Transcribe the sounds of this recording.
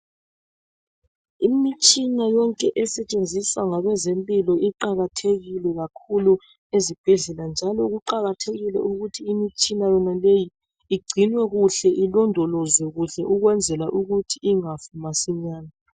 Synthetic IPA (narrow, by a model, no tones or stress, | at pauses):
imit͡ʃʼinajɔŋkʼɛʔɛsɛt͡ʃʼend͡zʱisaŋaɣɛzempʼilɔʔiǃaɣatʰeɣilɛɣakʰulu | ezib̥ʱɛɮɛland͡ʒʱalɔɣuǃaɣatʰeɣilɛ̰ʔuɣutʰiːmit͡ʃʼinajɔnaleji | iɡ͡ǀʱinwɛɣuɬɛʔilɔndʱɔlɔzwɛɣuɬɛʔuɣwɛnd͡zʱɛlaʔuɣutʰiiŋafumasiɲaːna